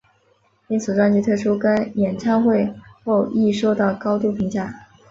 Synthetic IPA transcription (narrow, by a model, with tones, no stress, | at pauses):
i˥nt͡sʰɹ̩˨˩ʈ͡ʂwa˥˧ny˥˧t̪ʰɤ˥˩ʂʰu˥kə˥njɛ˨˩nʈ͡ʂʰa˥ŋxwe˥˧ɪxo˥˧ʊi˥˩ʂo˥ʊd̪ə˨kɑ˥ʊt̪u˥˩pʰi˧˥ŋt͡ɕja˥˩